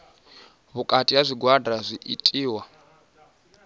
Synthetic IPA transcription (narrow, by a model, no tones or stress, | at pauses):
βukʼatʼiɦazʷiɡwadazʷiʔḭtʼiːwa